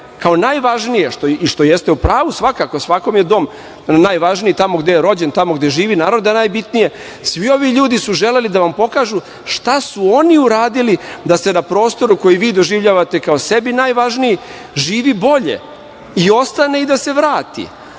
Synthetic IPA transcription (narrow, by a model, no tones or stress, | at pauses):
kao̞najʋaʒnijeʃt̪oiʃt̪o̞jest̪e̞upɾaːʋusʋakako̞sʋako̞mje̞d̪o̞m | najʋaʒnijit̪amo̞ɡd̪ejeɾo̞d͡ʑent̪amo̞ɡd̪e̞ʒiːʋinaːɾod̪anaːjbit̪nije̞ | sʋio̞ʋiʎuːd̪isuʒe̞le̞lid̪aʋampo̞kaːʒu | ʂt̪asuo̞niuɾaːd̪ilid̪ase̞napɾo̞ːst̪o̞ɾuko̞jiʋiːd̪o̞ʒiʋʎaːʋat̪e̞kaose̞binajʋaʒniji | ʒiːʋibo̞ʎe̞̰ | io̞st̪ane̞id̪ase̞ʋɾaːt̪ḭ